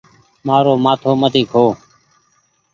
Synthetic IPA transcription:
maːɾoːmaːt̪ʰoːmət̪iːkʰɦoː

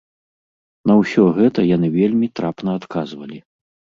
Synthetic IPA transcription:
nɐwsʲɔɣɛt̪ɐjan̪ɨvʲelʲmʲit̪ɾapn̪ɐːt̪kazvɐlʲi

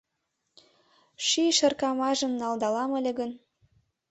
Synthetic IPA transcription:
ʃiʃə̆rkɑmɑʒə̆mnɑld̪ɑlɑmə̆lʲeɣən

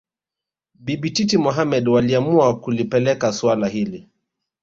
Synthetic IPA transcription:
biɓititimɔɦamɛɗwaliamuakulipɛlɛkaswalaɦili

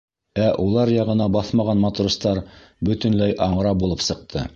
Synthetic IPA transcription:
æʔulˠɑɾjɑʁɤ̆nɑbɑθmɑʁɑnmɑt̪rust̪ɑɾ | bɵ̆t̪ɘ̆nlæjʔɑɴɤ̆ɾɑbulˠɤpsɤ̆q̚t̪ʰɤ

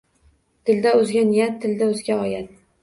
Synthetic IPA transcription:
t̪ʰɪld̪aɵzɡʲanɪjat̪ʰːɪld̪aɵzɡʲaɒjad̪

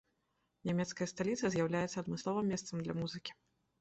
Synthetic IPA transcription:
nʲamʲɛt̪skɐjɐst̪alʲit̪sɐzʲjawlʲajɛt̪sɐːd̪mɨslˠɔvɨmʲːɛst̪sɐmd̪lʲɐmuzɨkʲi̥

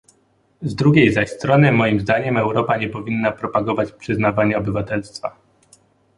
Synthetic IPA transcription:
zd̪ɾuɡʲejzaɕst̪ɾɔnɘmɔjimzd̪aɲɛmɛwɾɔpaɲɛpɔvʲinːapɾɔpaɡɔvat͡ɕpʂɘznavaɲɛɔbɘvat̪ɛlst̪fa̰

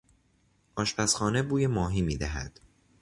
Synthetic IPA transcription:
ʔɒːʃpʰæsxɒːne̞buːjemɒːɦiːmiːd̪æɦæd̪̥

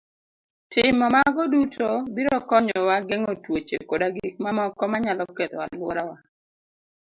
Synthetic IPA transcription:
tɪmɔmaɡɔdutʰobiɾɔkɔɲɔwaɡeŋotwot͡ʃḛkodaɡik̚mamɔkɔmaɲalɔket̪wa̰lwɔɾawa

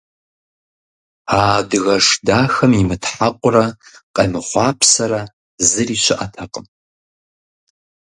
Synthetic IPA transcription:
aːdɨɣɐʂdaːxɐmimɨtʰħaqʷʼʊrɐqʼɐmɨχʷɑːpʰsɐɾɐ | zɨriːʃʷʰɨʔɐtʰɐqʼəm

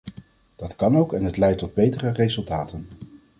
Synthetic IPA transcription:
d̥ɑtkɑnowkɛnɦətlɛjtːɔd̚bejtərərezɵlˠtaːtən

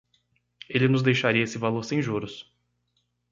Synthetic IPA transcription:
elɪnʊzd̪ejʃaɾiɐesɪvaloɾsẽj̃ʒuɾʊs

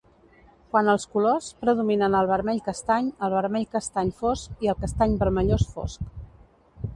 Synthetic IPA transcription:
kwanəlˠskulospɾəðuminənəlˠβəɾmɛʎkəst̪aɲəlˠβəɾmɛʎkəst̪aɲfoskiəlˠkəst̪aɲbəɾməʎosfo̰sk

